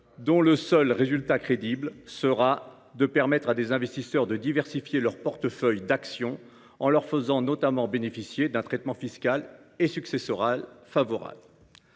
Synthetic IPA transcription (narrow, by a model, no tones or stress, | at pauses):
d̪ɔ̃ləsœlʁezylt̪akχed̪iblsəʁa | d̪əpɛʁmɛt̪χad̪ezɛ̃vɛst̪isœʁd̪əd̪ivɛʁsifjelœʁpɔʁt̪əfœjd̪aksjɔ̃ | ɑ̃lœʁfəzɑ̃nɔt̪amɑ̃benefisjed̪ɛ̃t̪χɛt̪mɑ̃fiskalesyksesɔʁalfavɔʁa̰bl